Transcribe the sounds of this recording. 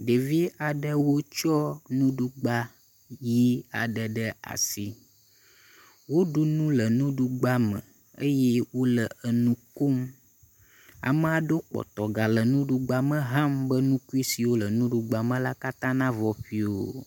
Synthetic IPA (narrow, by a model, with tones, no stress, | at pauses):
ɖe˨vi˦a˨ɖə˦wo˦t͡ʃɔ˦nũ˦ɖu˦ɡ͡ba˦ | ji˦a̰˨ɖə˨ɖə˦a̰˨si˨ | wo˦ɖu˦nũ˦lə˨nũ˦ɖu˦ɡ͡ba˦mə̰̃˨ | ə̰˦jɛ˦wo˦lə˨ə˨nũ˦ko˦m | a̰˨mə˦a˨ɖo˦k͡pɔ̰˨t̪ɔ˨ɡa˨lə˨nũ˦ɖu˦ɡ͡ba˦mə̃˦ɦã˦mbə˦nũ˦ku˦i˦si˨wo˦lə˨nũ˦ɖu˨ɡ͡ba˨mə̃˦la˦ka˦t̪ã˦nã˦vɔ˨ɸi˦o̰˨